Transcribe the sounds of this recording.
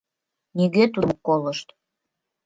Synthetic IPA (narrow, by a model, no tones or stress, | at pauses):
niɣet̪umokoləʃt̪